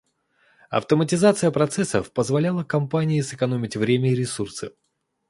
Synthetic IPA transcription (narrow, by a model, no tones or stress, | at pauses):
ɐ̰ft̪əmətʲɪzat̪sɨjəpɾɐt̪sɛsːəfpəzvɐlʲalˠəkɐmpanʲɪɪsɨkɐnomʲɪtʲvɾʲemʲəɪɾʲɪsursɨ